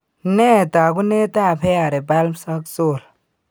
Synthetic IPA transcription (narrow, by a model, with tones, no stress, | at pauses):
ne˦˨t̪a˨ɡu˦ne˦t̪a˦˨pʰe˦a˨ɾe˨ba˦lmsa˦kt͡so˦˨l